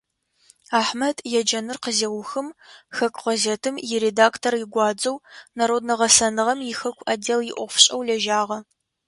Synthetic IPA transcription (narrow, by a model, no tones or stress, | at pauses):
aːħmɐdjɛd͡ʒɐnɨrqəzɐwʊxɨmxɐkʷʼʁɐzetʰɨmjɪɾedaːktʰorjɪɡʷɑːd͡ʒʼɐwnaɾoːdnɐʁɐsɐnɨʁɐmjɪxɐkʷʰʼadeːljɪʔʷɔfɕʼɐwlɐʒaːʁɐ